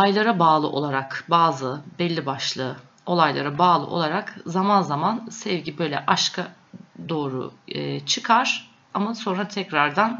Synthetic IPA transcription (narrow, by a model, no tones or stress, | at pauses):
ajlˠaɾabaːlˠɯʔo̞lˠaɾakbaːzɯbɛlʲːibaʃlˠɯː | o̞lˠajlˠaɾabaːlˠɯ̰ʔo̞̰lˠaɾakzamanzamansɛvɟibø̞jlʲɛʔaʃkʰa | d̪o̞ːɾṵt͡ʃʰɯkʰaɾ̥ | amaso̞nɾat̪ʰɛcɾaɾd̪an